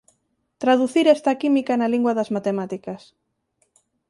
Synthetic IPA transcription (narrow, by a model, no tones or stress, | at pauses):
t̪ɾaðuθiɾɛst̪ɐkimikɐnaliŋɡwɐðɐzmat̪emat̪ikɐs